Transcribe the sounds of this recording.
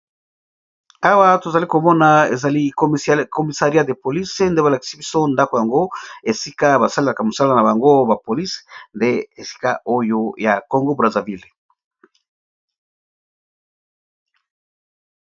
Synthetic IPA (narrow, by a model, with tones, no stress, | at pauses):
a˦wa˦to˨za˨li˦ko˨mɔ˦na˨ḛ˨za˨li˦ko˨mi˨sa˨ʁi˦a˦de˨po˨li˦se˦nde˦ba˨la˨ki̥˨si˦bi˦so˦nda˦ko˨ja˨ŋɡo˦e˨si˦ka˦ba˨sa˦lela˨ka˨mo˨sa˦la˦na˨ba˨ŋɡo˦ba˨po˨li˦se̥nde˦e˨si̥˦ka̰˦ʔo˦jo˦ja˨ko˨ŋɡo˦bʁa˨za˨vi˦˨l